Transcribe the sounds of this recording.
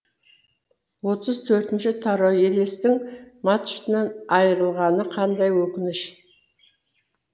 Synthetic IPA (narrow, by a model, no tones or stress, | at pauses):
wo̞t̪əzt̪ʰɵɾt̪ɪnʃɪt̪ʰɑɾoele̞st̪ɪŋmɑt̪ʃt̪ənɑnɑjəɾəlˠʁɑnəqʰɑnd̪ɑjwɵkʲɪnɪʃ